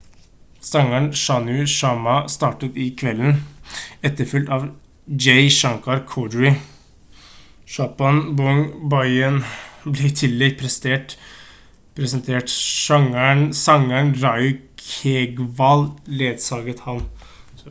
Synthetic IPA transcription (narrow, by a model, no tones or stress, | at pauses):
sɑŋəɳʃɑnʉʃɑmɑst̪ɑːʈət̪ɪkʰʋɛlːənɛt̪ːəɾfʏlt̪ɑːʋ | d͡ʒɛɪʃɑŋkɑɾkʰɔɖəɹɪ | ʃɑːpɑnbɔŋbɑɪənblɛt̪ʰɪlːɛɡpʰɾɛst̪eːʈ | pʰɾɛsənt̪ʰeːʈʃɑŋæɳsɑŋəɳɾɑɪkʰeɡʋɑlleːd̪sɑːɡət̪hɑn